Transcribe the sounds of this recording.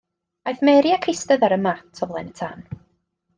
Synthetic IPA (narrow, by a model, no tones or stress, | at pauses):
ajθmɛɾjakʰɪstəðaɾəmatʰɔvlˠɛnətʰaːn